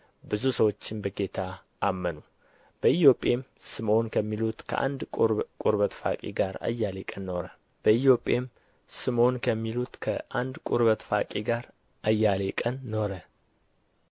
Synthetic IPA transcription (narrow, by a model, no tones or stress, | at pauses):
bɨzusəwot͡ʃːɪnbəɡe̞t̪ʰaː | mːənu | b̥əit̪jo̞pʼe̞msɨmo̞nkʰəmːilut̪kʰə̰ʔa̰nd̪ʼkʼuɾβət̪fa̰kʼḭɡaɾa̰jːalekʼənːo̞ɾə | b̥əijo̞pʼem | sɨmo̞nkʰəmːilut̪kʰəʔand̪kʼuɾβət̪fa̰kʼiɡaɾ | ʔajːalekʼənːo̞ɾə